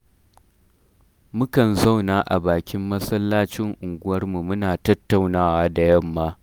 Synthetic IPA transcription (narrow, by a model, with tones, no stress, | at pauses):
mʊ˦kɐ˨nza˦˨wnaː˦ʔa̰˨baː˨kʲɪ˦mːɐ˦sɐ˦lːaː˦t͡ʃɪ˦ŋʔʊ˨ŋɡʷʊ˦wɐ˦rmu˨mʊ˦naː˨tɐ˦tːa˨wnaː˦waː˦da˨jɐ˦mːaː˦